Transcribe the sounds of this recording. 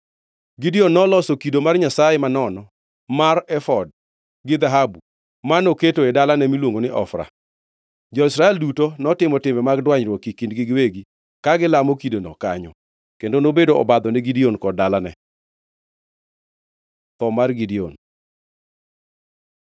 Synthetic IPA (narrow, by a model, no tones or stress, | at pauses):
ɡidionːɔlɔsokidomarɲasajemanɔnɔ | marɛfɔd̚ | ɡɪd̪aɦabu | manoketoedalanɛmilwoŋɡonɪʔɔ̰fɾa̰ | d͡ʒɔɪsɾaɛldutonɔtɪmɔtɪmɛmaɡdwaɲɾwɔkikindɡɪɡweɡi | kaɡɪlamokidonɔ̰ka̰ɲɔ | kendonobedoɔ̰bad̪ɔnɪɡidionkɔdalanɛ̰ | t̪ɔmarɡidio̰n